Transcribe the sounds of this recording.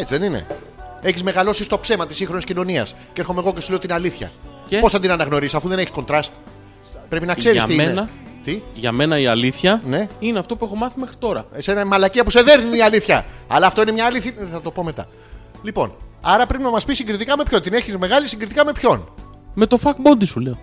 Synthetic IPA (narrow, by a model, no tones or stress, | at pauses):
et͡siðenine̞̰ | eçizme̞ɣɐlo̞sist̪o̞pse̞mɐt̪isiŋxɾo̞niscino̞niɐ̰scee̞ɾxo̞meɣocesuleot̪inɐliθçɐ̰ | epo̞sθɐt̪inɐnɐɣno̞ɾisɐfuðe̞neçisko̞nt̪ɾɐst̪ | pɾe̞pinɐkse̞ɾist̪iinɐt̪iʝɐ̰me̞nɐiɐliθçɐne̞ineɐft̪o̞puexo̞mɐθimexɾit̪o̞ɾɐ̰senɐmɐlɐciɐpuse̞ðe̞ɾniiiɐliθçɐ̰ɐ̰lɐːft̪o̞inemɲɐːliθçɐθɐt̪o̞po̞me̞t̪ɐ̰ | lipo̞̰nɐɾɐpɾepinɐmɐspisiŋɡɾit̪ikɐme̞pço̞nt̪ineçizme̞ɣɐlisiŋɡɾit̪ikɐme̞pço̞n | me̞t̪o̞fɐkbo̞nd̪isuleo